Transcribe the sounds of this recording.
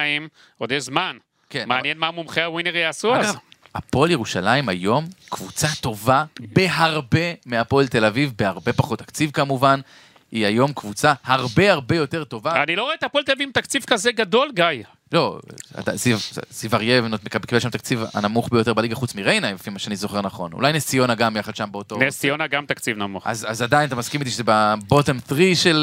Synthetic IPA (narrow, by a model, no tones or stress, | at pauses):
im | od̪ejzman | kenmaaːnnjenmamumχeawineʁjaːsuaapo̞ljeʁuʃalaimajo̞mkvut͡sat̪o̞vabe̞ɦaʁbe̞meapo̞lt̪e̞lavivbeaʁbe̞paχo̞t̪ːakt͡sivkamuvan | iajo̞mkvut͡sahaʁbe̞haʁbe̞jo̞t̪e̞ʁt̪o̞vaanilo̞ʁoet̪apoelt̪eavivt̪akt͡sivkazeɡad̪o̞lɡaja | lo̞a̰t̪a̰sivsivaʁjevnotmekabkibelʃamt̪akt͡siva̰namuχbejo̞tebaliɡaχut͡smiʁejnajbefimaʃeanizo̞χe̞ʁnaχo̞̰nṵlajnesijo̞naɡamjaχad̪ʃambeo̞t̪onesijonaɡamt̪akt͡sivnamuχa̰zazad̪ajinat̪amaskimit̪̬iʃezebabotemθʁiʃel